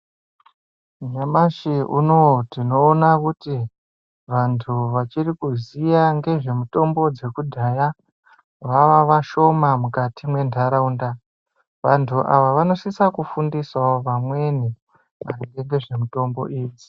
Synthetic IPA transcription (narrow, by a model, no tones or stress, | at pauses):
ɲamaʃiʔuno̞tino̞ːnakuti | ʋantʰuʋat͡ʃirikuzijaŋɡe̞ʐe̞muto̞mbo̞d͡ze̞kudʱaːja | ʋaʋaʋaʃo̞mamukatimwe̞ndʱaɾaunda | ʋantʰuʔa̰ʋaʋano̞sisakufundisaoʋamwe̞ni | ʋariŋɡe̞ŋɡe̞ʐe̞muto̞mbo̞̰ʔiːd͡zi